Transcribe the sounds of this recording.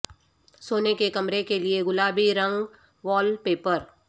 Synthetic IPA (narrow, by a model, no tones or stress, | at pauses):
soːnekekɐmɾekelieɡʊlaːbiɾɐ̃ŋɡ | ʋɔːlpeːpəɾ